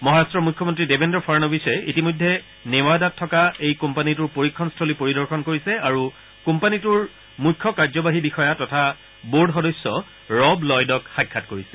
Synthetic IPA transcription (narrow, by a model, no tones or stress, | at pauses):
mɔɦaɹastɹɔmujkʰːɔmɔntɹidebʱendɔpʰaɹnɔbisɛitimɔjdʱːɛ | newadatʰːɔkaejkɔmpanituɹpoɹikʰːɔnstʰolipoɹidɔɹxɔnkoɹisɛaɹu | kompanituɹ | mukʰːɔkaɹzɔbaɦibixɔjatɔtʰa | boɹɖxɔdɔsːɔ | ɹɔblɔjdɔkxakʰːatkoɹisɛ̥